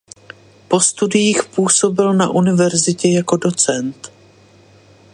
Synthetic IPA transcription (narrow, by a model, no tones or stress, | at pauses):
po̞st̪udɪjiːxpuːso̞bɪlna̰ʔunɪvɛɾzɪcɛjako̞do̞t͡sɛnt̪